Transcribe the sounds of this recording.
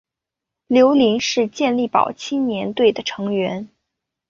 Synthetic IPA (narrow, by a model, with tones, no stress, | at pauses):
ljo˧˥ʊli˧˥nʂɻ̩˥˧t͡ɕjɛ˥˧nli˥˩pɑ̰˨˩ʊt͡ɕʰi˥nnjɛ˧˥nt̪we˥˩ɪd̪ə˩ʈ͡ʂʰɤ˧˥ŋɥɛ˧˥n